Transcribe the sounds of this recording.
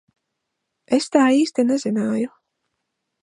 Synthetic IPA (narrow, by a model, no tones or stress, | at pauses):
est̪aːiːst̪enazenaːju